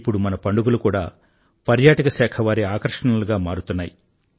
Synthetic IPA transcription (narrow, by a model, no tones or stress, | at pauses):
pːuɽumɐnɐpɐɳɖuɡulukuːɽa̰ː | pɐɾjaːʈɐkɐsaːkʰɐʋaːɾiaːkɐɾʂɐɳuluɡaːmaːɾut̪unːaːji